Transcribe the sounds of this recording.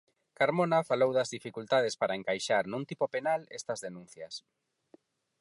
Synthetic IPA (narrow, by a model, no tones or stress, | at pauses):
kaɾmonafalowðɐzðifikult̪að̞ɪspaɾɐeŋkajʃaɾnũnt̪ipopenalɛst̪ɐzðenũn̟θjɐs